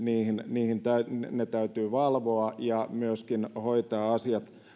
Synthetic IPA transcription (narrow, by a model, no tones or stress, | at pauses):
niːhinniːhint̪æynet̪æyt̪yːʋɑlʋoɑjɑmyøskinhoit̪ɑːɑsiɑt̪